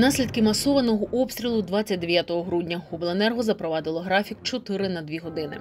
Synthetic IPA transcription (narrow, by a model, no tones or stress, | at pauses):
nɑsʲlʲid̪̚kɪmɐsɔʋɐnɔɦɔʔɔpst̪ɾʲilˠʊd̪ʋɑt͡sʲːɐt̚ʲd̪eʋʲjat̪ɔɦɔɦɾudʲnʲɐɦɔblˠoenɛrɦɔzɐpɾɔʋɑd̪ɪlˠɔɦɾɑfʲikt͡ʃɔt̪ɪɾɪnɐd̪ʋʲiɦɔd̪ɪnɪ̰